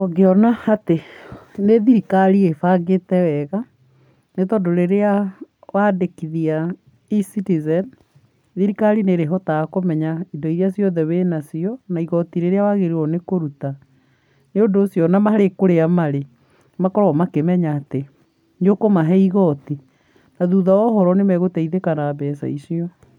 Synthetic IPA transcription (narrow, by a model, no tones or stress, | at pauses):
ɔɡeɔnaateneðiɾikaɾiefaɡetɛwɛɣa | netɔdoɾeɾea | wadekiðia | isitizɛn | ðiɾikaɾineɾeɦɔtaɣakomɛɲaindoiɾeasjɔðɛβenasiɔnaiɣɔtiɾeɾeawaɣeɾeɔnekoɾuta | neondoːsjɔnamaɾekoɾeamaɾe | makɔɾɔmakemɛɲaːte | ɲokomaɦɛiɣɔti | naðuðaɔɦɔɾɔnemɛɣotaiðekanabɛsa̰isiɔ